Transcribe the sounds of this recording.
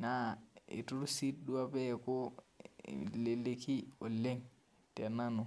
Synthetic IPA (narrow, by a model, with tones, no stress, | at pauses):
na˦ḭ˨tu˦ɾsi˦t̚ɗu˦a˦pe˦˨ko̰˦ | le˨le˨ki˦o˨le˦ŋ | te˨na˦nu˨